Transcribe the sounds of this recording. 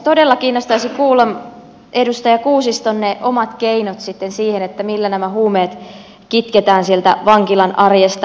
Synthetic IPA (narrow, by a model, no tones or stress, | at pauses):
t̪odelːɑkiːnːost̪ɑisikuːlːɑm | edust̪ɑjɑkuːsist̪onːeʔomɑt̪keinot̪sit̪ːensiːhenet̪ːæmilːænæmæhuːmeːt̪ | kit̪ket̪æːnsielt̪æ̰ʋɑŋkilɑnʔɑrjest̪ɑ